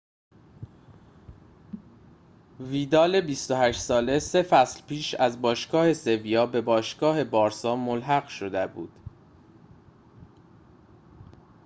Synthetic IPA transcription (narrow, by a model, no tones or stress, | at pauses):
viːd̪ɒːle̞bist̪ohæʃsɒːle̞se̞fæslpiːʃæzbɒːʃɡɒːhe̞se̞vijɒːbe̞bɒːʃɡɒːhe̞bɒːɾsɒːmolɦæɣʃod̪ebṵːd̪̥